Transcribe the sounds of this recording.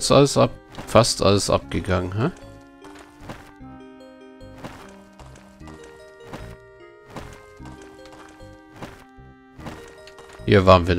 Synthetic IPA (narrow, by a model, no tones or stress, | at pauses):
t͡sʔaləsʔafastʰʔa̰ləsʔa̰p̚ɡ̥əɡaŋənɦa | hiːɐvaːʁənviːɐn